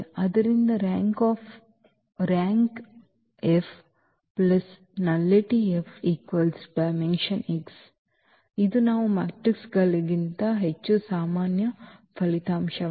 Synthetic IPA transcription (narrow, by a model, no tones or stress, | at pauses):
ɐd̪ɐɾind̪ɐɾaːŋkaːf | ɾaːŋk | ef | plɐs | nɐlːeʈiefʰiːkʋɐlsbɐjmenʃɐniks | id̪unaːʋumaːk̚ʈiksɡɐliɡint̪ɐɦet͡ʃːusaːmaːnjɐpʰɐlit̪aːmʃɐ